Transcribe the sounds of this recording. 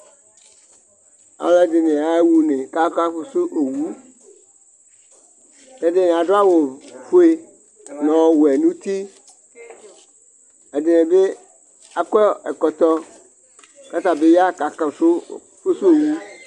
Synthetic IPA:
a̰˨wlɛ˦de˨nẽ˨a˨e˦wu˦nẽ˨ka˦ka˦ɸo˦su˦ʔo˨wu˦ | e˦de˦nẽ˨a˨ɖo˦a˦wo˨fo˦e˦ | nɔ̃˨wo˨ɛ˨nũ˦t̪i˦ | e˨de˨nẽ˨be˦ | a˨kɔ˦e˨kɔ˨t̪ɔ˦ | ka˦t̪a˨be˦ja˦ka˨ka˨so˦ | ɸo˦su˦o˨wu˦

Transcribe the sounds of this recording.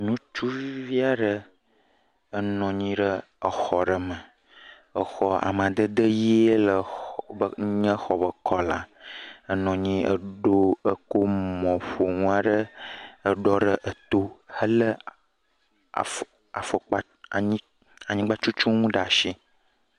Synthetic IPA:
nũ˦t͡ʃu˦vi˦a˦ɖə˦ | ə˦nɔ̃˨ɲĩ˦ɖə˦ | ə˨xɔ˨ɖə˨mə˨ | ə˨xɔ˦a̰˨mã˨d̪ə˦d̪ə˦ji˦e˦lə˨bə˨˦ɲə̃˦xɔ˨bə˨kʰɔ˦la̰˨ə˨nɔ̃˨ɲĩ˦ə̰˦ɖo˦ə˦ko˦mɔ̃˨ɸo˨ŋũ˦a˦ɖə˦ə˦ɖɔ˦ɖə˦ʔə˨t̪o˦hə˦lə˦˨ | a̰˨fo˨k͡pa˦˨ | ɲĩ˦ | a˨ɲĩ˦ɡ͡ba˦t͡ʃu˦t͡ʃu˦ŋũ˦ɖa˨ʃi˦

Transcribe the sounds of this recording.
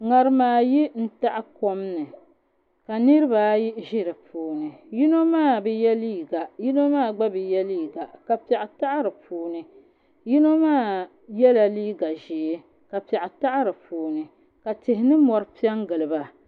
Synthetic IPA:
ŋa˨ɾɨ˦maː˨ji˦n̩˦ta˦ʔa˦ko˦mnɨ˨ | ka˨nɨ˦ɾɨ˦ba˨ji˦ʒɪ˦ɾɨ˨puː˨nɨ˨ji˦no˦maː˦˨bɛ˨jɛ˦liː˦˨ɡa˨ji˦no˦maː˦˨ɡ͡ba˦bɨ˨jɛ˦liː˦ɡa˨ka˨pɛ˨ʔɪ˨ta˦ʔa˦ɾɨ˨puː˨nɨ˨ | ji˦no˦maː˦˨ | jɛ˦la˨liː˦ɡa˨ʒe˨˦ | ka˨pɛ˨ʔɪ˨ta˦ʔa˦ɾɨ˨puː˨nɨ˨ | ka˨tɪ˨ɦɪ˦nɨ˦mɔ˨ɾɨ˦pi˦ɛ˦ŋ˦ɡɨ˨lɨ˨ba˨

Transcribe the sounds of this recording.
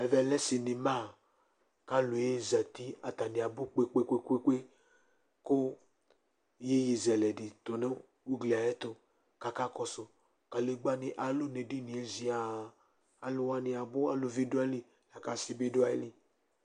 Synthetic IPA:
ɛ˨vɛ˨lɛ˦si˨ni˨ma˦˨ | ka˦lo˨je˦za˨t̪i˦a˨t̪a˨nĩ˨a˨bʊ˦k͡pe˦k͡pe˦kʷe˦kʷe˦kʷe˦ | ko˦ | je˦ji˨zɛ˨lɛ˨di˨t̪o˨nɛ˦ | u˦ɡla˨jɛ˦t̪o˦ | ka˨ka˦kɔ˨sʊ˨ | ka˨le˨ɡ͡ba˦ni˨ʔa˨lo˦ne˨di˦ni˨e˨zi˨a˨ | a˨lʊ˨wa˦ni˨a˨bʊ˦a˨lo˨vi˦dʊ˦a˦li˨ | la˨ka˨si˦be˦do˦a˦li˨

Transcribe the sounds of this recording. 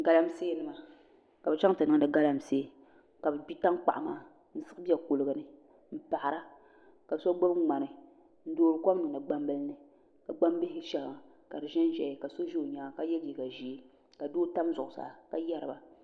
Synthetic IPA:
ɡa˨la˦mseː˦nɨ˦ma˨ | ka˨bɛ˨t͡ʃa˦ŋtɨ˨nɨ˦ŋ˦dɨ˨ɡa˦la˦m˨seː˦ | ka˨bɛ˨bi˦ta˦ŋ˦k͡pa̰˨ʔa˨maː˦ | n̩˦sɨ˦ɨ˦bi˦a˨ko˨lɨ˨ɡɨ˨nɨ˦ | m̩˦pa˨ʔa˨ɾa˦ | ka˨so˦ɡ͡bo˦bŋ͡ma˨nɨ˨ | n̩˦doː˦ɾɨ˦kɔ˦m˦nɨ˨ŋ˨nɨ˨ɡ͡ba˦mbɨ˦lnɨ˨ | ka˨ɡ͡ba˦m˦bi˦hɪ˦ʃɛ˨la˨ | ka˨ɾɨ˨ʒɛ˦n˦ʒɛ˨ka˨so˦ʒe˦o˨ɲaː˨˦˨ka˨˦jɛ˦li˨ka˨ʒi˦ | ka˨doː˦ta˦mzʊ˨ʔʊ˨sa̰˨ka˨jɛ˦ɾɨ˨ba˨

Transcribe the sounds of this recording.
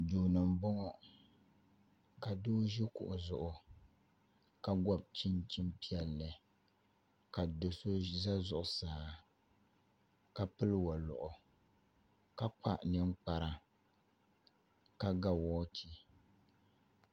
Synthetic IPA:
duː˨nɨ˨m̩˨bɔ˦ŋɔ˦ | ka˨doː˦ʒi˦kʊ̰˨ʔʊ˨zʊ˨ʔʊ˨ | ka˦ɡɔ˦˨b̚t͡ʃi˦nt͡ʃi˦mpi˦ɛ˦lːɨ˨ | ka˨do˨so˦za˦zʊ˨ʔʊ˨saː˨ | ka˨pɨ˦lwɔ˨lʊ̰˨ʔʊ˨ | ka˦k͡pa˦ʔnɨ˦ŋ˦k͡pa˨ɾa˦ | ka˦ɡa˨wɔː˦t͡ʃʰi˦

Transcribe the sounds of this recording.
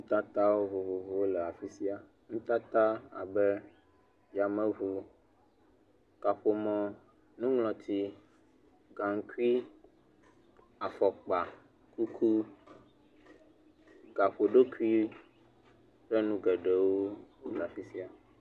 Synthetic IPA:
ŋũ˦t̪a˦t̪a˦wo˦vo˨vo˨vo˨wo˦lɛ˨a˨fi˦si˦a˦ | ŋũ˦t̪a˦t̪a˦a̰˨bɛ˦ | ja˨mɛ̃˦vo˨ | ka˨ɸo˨mɔ̃˨ | nũ˦ŋlɔ̃˨t̪ʰi˦ | ɡã˨ŋ˦ku˦i˦ | a˨fɔ˨k͡pa˨ | ku˦kʰu˦ | ɡa˨ɸo˨ɖo˦ku˦i˦ | ɸɛ˦nũ˦ɡɛ˨ɖɛ˨wo˦o˦lɛ˨a˨fi˦si˦a˨

